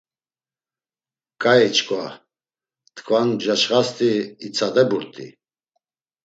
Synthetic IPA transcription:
kʼaɛt͡ʃʰʼkʼva | t̪ʰʼkʰvand͡ʒat͡ʃχast̪ʼiːt͡sʰad̪ɛbuɾt̪ʼḭ

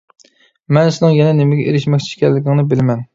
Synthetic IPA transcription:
mɛnsɪnɨŋjɛnɛnemɪɡʲɛʔḛɾɪʃmɛkʲt͡ʃʰi̥ʃkʲɛlːɪkʲɪŋnɨbɪlɪmɛn

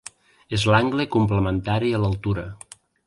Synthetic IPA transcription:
ezlaŋɡlekumpləmənt̪aɾiələlˠt̪uɾə

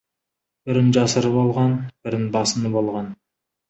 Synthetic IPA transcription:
b̥ɪɾɪnʒɑsəɾəpɑlˠʁɑnb̥ɪɾɪnbɑsənəpolˠʁɑn

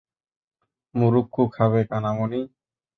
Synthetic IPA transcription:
muɾukʰːukʰaβekanamɔni

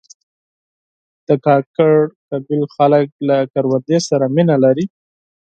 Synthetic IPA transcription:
d̪̥əkɑkaɽkabilxalək̚lakaɾwaɾd̪esaɾaminalaɾi

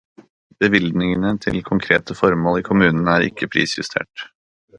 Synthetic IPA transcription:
b̥əʋɪld̪nɪŋənət̪ʰɪ̰lkʰʊŋkʰɾeːt̪əfɔɾmoːliːkʰʊmʉːnənæːɾɪ̰kʰːəpʰɾḭːsjʉst̪ʰḛːʈ

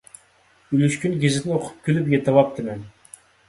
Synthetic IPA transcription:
ylyʃkʲynɡʲezɪt̪ɪnoqʰʊ̥p̚kʲylypjet̪ʰɑwɑp̚t̪ʰɨmɛn

